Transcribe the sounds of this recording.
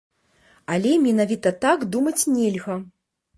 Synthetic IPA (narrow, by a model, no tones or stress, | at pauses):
alʲɛmʲɛnavʲit̪ɐt̪aɡd̪umɐt͡sʲnʲɛlʲɣɐ